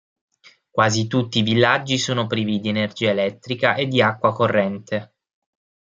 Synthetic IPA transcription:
kwaːzit̪ut̪ːiːvilːad͡ʒːisoːnopɾiːvid̪ienerd͡ʒiːaelɛt̪ːɾikaʔed̪ːiakːwakorːɛnt̪e

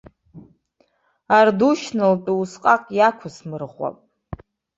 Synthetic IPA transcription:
arduʃnɨlpʼiusqʼaqʼjakʷʰʊsmɨrʁʷwa̰pʼ

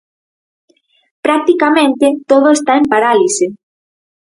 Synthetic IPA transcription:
pɾak̚t̪ikamẽnt̪et̪oðoest̪aempaɾalise

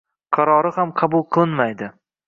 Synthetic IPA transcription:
qʰɑɾɒɾɪhamqʰɑbʊlˠqʰɨlˠɪnmajd̪ɪ

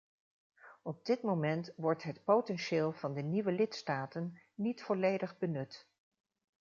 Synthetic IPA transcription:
ɔb̚dɪtmomɛntʋɔɹtɦətpowtɛnʃɪːlˠvɑndəniʋəlɪtstaːtənːitfɔlejdəχbənɵt

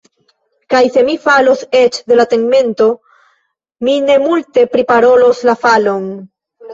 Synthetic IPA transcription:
kajse̞mifalo̞se̞t͡ʃde̞latenme̞nto̞ | mine̞multe̞pɾipaɾo̞lo̞slafalo̞n

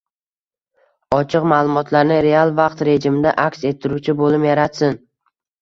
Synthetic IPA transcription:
ɒt͡ʃʰɨqmaːlˠʊmɒt̪ʰlaɾnɪɾe̞alˠvaqt̪ɾe̞d͡ʒɪmɪd̪aʔakʲse̞t̪ʰːɪɾut͡ʃʰɪbolɪpjaɾat̪sɪn

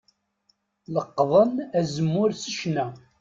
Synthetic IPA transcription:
ləqːðˤənæzəmːʊɾsə̥ʃnæ

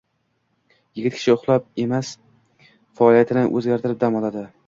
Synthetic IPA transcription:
jɪɡʲɪt̪kʲʰɪ̥ʃɪʊχlˠap̚e̞mas | faɒlijat̪ʰɪnɪʔɵ̰zɡʲaɾt̪ʰɪɾɪp̚d̪amɒlˠad̪ɪ

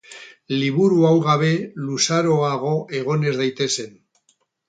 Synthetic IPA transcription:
liβ̞uɾuawɣaβ̞e̞lusaɾo̞aɣ̞o̞ʔe̞ɣ̞o̞ne̞zðejt̪e̞se̞n

